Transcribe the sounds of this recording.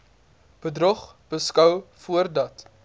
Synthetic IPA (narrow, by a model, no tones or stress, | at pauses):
b̥ədrɔχ | b̥əskɐwfuərdɐt